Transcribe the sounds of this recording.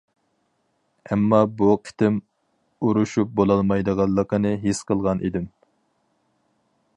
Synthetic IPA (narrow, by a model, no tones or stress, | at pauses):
ɛmːɑbuqʰɪ̥t̪ʰɪm | uɾuʃup̚bolˠɑlˠmɑjd̪əʁɑlˠːəqənɨɦesqʰəlˠʁɑnʔḭd̪ɪm